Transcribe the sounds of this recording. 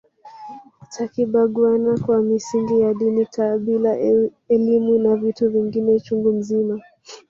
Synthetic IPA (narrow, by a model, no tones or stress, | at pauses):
takiɓaɠwanakwamisiŋɡijaɗinitʰaɓila | ɛlimunavituviŋɡinɛt͡ʃuŋɡum̩zima